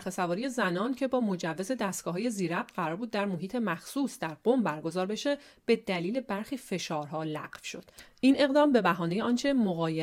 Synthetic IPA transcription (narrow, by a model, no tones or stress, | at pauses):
xesævɒːɾije̞zænɒːncʰe̞bɒːmo̞d͡ʒævːe̞ze̞d̪æst̪ɡ̥ɒːɦɒːje̞ziːɾæb̪̚ɢæɾɒːɾbuːd̪ːæɾmoɦiːt̪ʰe̞mæxsuːsd̪æɾɢ̥o̞mbæɾɡo̞zɒːɾbe̞ʃe̞b̥e̞d̪æliːle̞bæɾxiːfe̞ʃɒːɾɦɒːlæɢfʃo̞d̪̥ʔine̞ɣd̪ɒːmbe̞bæɦɒːne̞jeɒːnt͡ʃʰemoɣɒːje